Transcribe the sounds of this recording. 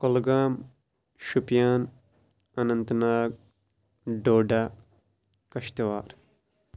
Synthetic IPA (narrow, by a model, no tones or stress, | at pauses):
kolɡaːm | ʃupjaːn | ɐnɐnt̪ɐnaːɡ̚ | ɖoːɖa | kɐʃt̪ɐʋaːɾ